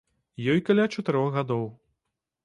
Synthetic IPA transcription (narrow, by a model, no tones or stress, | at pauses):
jɔjkalʲat͡ʂɐt̪ɨɾɔɣɣad̪ɔw